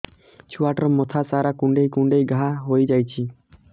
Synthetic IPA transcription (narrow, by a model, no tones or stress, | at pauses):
t͡ʃʰuaʈɔɾɔmɔt̪ʰasaɾakuɳɖejkuɳɖejɡʱaɦojd͡ʒajt͡ʃʰi